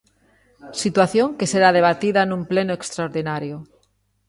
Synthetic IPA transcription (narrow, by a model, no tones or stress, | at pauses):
sit̪waθjoŋkeseɾað̞eβ̞at̪iðanũmplenoekst̪ɾaoɾðinaɾjo